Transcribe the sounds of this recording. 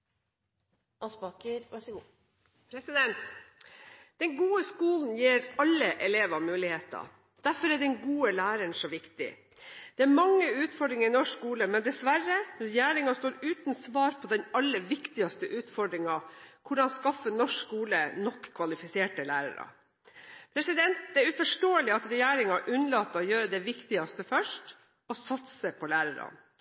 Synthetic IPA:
ɑspɑkə | d̪nt̪ | d̪̥ɛŋɡuːəskuːln̩jiːɾɑlːəʔɛleːʋɑmʉːlɪheːt̪ɑ̰ | d̪̥æɾfɔɾæɖɛnɡuːəlæːɾəɳʂɔʋɪkt̪ɪ̰ | d̪̥ɛæmɑŋːəʉːt̪fɔɖɾɪŋəɾɪnɔʂkuːləmɛnd̪ɛsʋæɾəɾɛjæːɾɪŋɑst̪oːɾʉːt̪nsʋɑːɾpʰɔd̪ɛnɑlːəʋɪkt̪ɪɑst̪əʔʉːt̪fɔɖɾɪŋɑkʰʊɖɑnskɑfːənɔʂkuːlənɔkʰːʋɑlɪfɪseːʈəlæːɾɑ̰ɾɑ̰ | pʰɾɛsɪd̪ɛnt̪̚d̪ɛæɾʉfɔʂʈoːəlɪɑt̪ɾɛjæːɾɪŋɑʔʉnəlɑt̪ːəɔjøːɾəd̪ɛʋɪkt̪ɪɑst̪əfœʂʈ | ɔsɑt̪səpʰɔlæːɾəɾɑ̰n

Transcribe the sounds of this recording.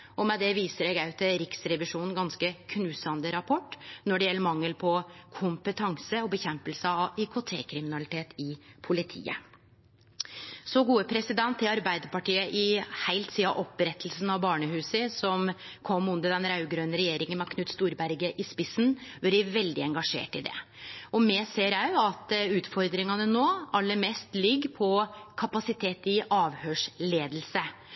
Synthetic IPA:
ɔmɛd̪ɛʋiːsəɾɛɡɑʉt̪ʰəɾɪksɾɛʋɪʂuːnn̩ɡɑnskəkʰnʉːsɑnd̪əɾɑpʰɔʈːnɔɖɛjɛlːəɾmɑŋːəlpʰɔkʰʊmpət̪ʰɑŋsəɔbəçɛmpəlsəɑʋikʰot̪ʰḛːkʰɾɪmɪnɑlɪt̪ʰeːt̪ɪpʰʊlɪt̪ʰḭːə̰ | sɔɡuːəpʰɾɛsɪd̪ɛnt̪ɪɑɾbæɪd̪əɾpɑʈiːəʔɪhæɪlt̪siːɑ̰ʔɔpːɾɛt̪ʰːl̩sn̩ɑʋbɑːɳəɦʉːsəsɔmkʰɔmːʉnd̪əd̪ɛnɾɑʉɡɾøːnəɾɛjeːɾɪŋənmɑkʰnʉːt̪st̪uːɾbæɾɡəʔɪspɪsnʋɑɾɪʋɛld̪ɪɛŋɡɑʂḛːʈɪd̪ɛ̰ɔmɛseːɾæɪɑt̪ʉːt̪fɔɾd̪ɾɪŋɑnənoːɑlːəɾmeːst̪lɪɡːpʰɔkʰɑpɑsɪt̪ʰeːt̪ɪʔɑːʋhøːʂleːd̪l̩sə

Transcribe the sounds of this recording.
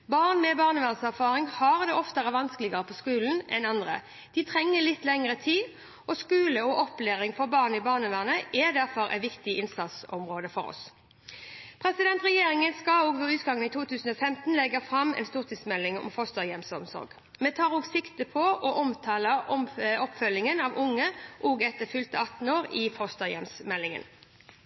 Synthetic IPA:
bɑʁnmɛbɑːʁnəʋæʁnəsæʁfɑːʁɪŋhɑʁd̪ɛɔft̪əʁəʋɑnskəlɪɡəʁəpʰɔskʉːln̩ɛnɑnd̪ʁə̰ | d̪̥ɪt̪ʰʁɛŋːəlɪt̪ːlɛŋəʁət̪ʰiːd̪ | ʔɔskʉːləɔʔɔpleːʁɪŋfɔʁbɑːʁnɪbɑːʁnəʋæʁnəʔɛd̪æʁfɔɾʔɛ̰t̪ʋɪkt̪ɪɪnsɑt̪sɔmʁoːd̪əfɔ̰ɾɔ̰s | pʰʁɛsɪd̪ɛnt̪ʁɛjeːʁɪŋənskɑoːɡʋɛʉːt̪ɡɑŋːənit̪ʰuːt̪ʰʉːsn̩ɔːfɛmt̪n̩lɛɡəfʁɑmɛ̰nst̪uːʁt̪ʰɪsmɛlːɪŋɔ̰mfɔst̪əjɛmsɔmsɔ̰ɾɡ | mɛt̪ʰɑːʁoːɡsɪkt̪əpʰɔʔɔʔɔmt̪ʰɑːləɔɔpfœlːɪŋənɑʋʊŋːəʔoːɡɛt̪ːəfʏlt̪əɑt̪n̩oːɾɪfɔst̪əjɛ̰msmɛlːɪŋə̰n

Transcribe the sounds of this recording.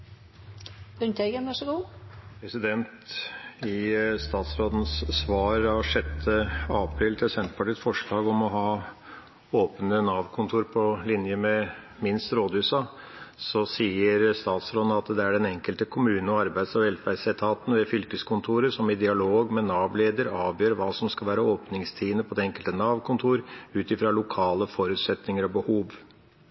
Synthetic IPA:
ʉnt̪eɡənʋæʂəɡuːpʰɾɛsɪd̪ɛnt̪ɪst̪ɑːt̪sɾoːd̪ən̩sːʋɑːɾɑʂɛt̪ʰːəɑpʰɾiːlt̪ʰɪlsɛnt̪pʰɑʈiːt̪fɔʂɭɑːɡɔmɔɦɑː | oːpənənɑːʋkʰʊnt̪ʰuːɾpʰɔlɪnjəmɛ | mɪnst̪ɾoːd̪ʉːsɑ | sɔsiːəɾst̪ɑːt̪slɑnːəɑt̪d̪ɛæɖɛnɛŋkəlt̪əkʰʊmʉːnnɔɑɾbæɪd̪sɔʋɛlfæɾsɛt̪ʰɑːt̪n̩ʋɛfʏlkəskʰʊnt̪ʰuːɾəʂɔmɪd̪ɪɑloːɡmɛnɑːʋleːd̪əɾɑːʋjøːɾʋɑːsɔmskɑlʋæːɾəoːpnɪŋst̪ʰiːənəpʰɔd̪ɛɛŋkəlt̪ənɑːʋkʰʊnt̪ʰuːɾʉːt̪ɪfɾɑlʊkʰɑːləfɔɾʉːt̪sɛt̪nɪŋəɾɔbəhuːʋ

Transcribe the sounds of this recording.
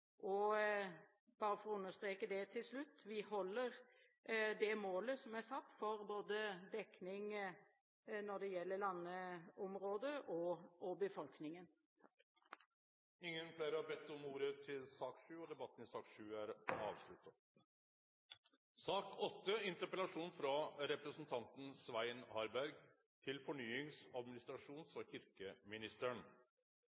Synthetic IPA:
ʔɔ | b̥ɑːɾəfɔɾɔʉnːəʂst̪ɾeːkəd̪ɛt̪ʰɪlslʉt̪ːʋɪhɔlːəɾ | d̪ɛmoːləsɔmæsɑt̪ːfɔɾboːd̪əd̪ɛknɪŋ | nɔɖɛjɛlːəɭɑnːəɔmɾoːd̪əʔɔɔbəfɔlknɪŋən | ɪŋːənflæːɾəɑbɛt̪ːɔmuːɾət̪ʰɪlsɑːkʂʉːɔd̪ɛbɑt̪ːn̩ɪsɑːkʂʉːæɾɑːʋslʉt̪ɑ | sɑːkʰɔt̪ːəɪnt̪əɾpəlɑʂuːnfɾɑɾɛpɾəsn̩t̪ʰɑnt̪n̩sʋæɪnhɑɾbæɾɡ | t̪ʰɪlfɔɳyːɪŋsɑd̪mɪnɪst̪ɾɑʂuːnsɔçɪɾkəmɪnɪst̪əɳ

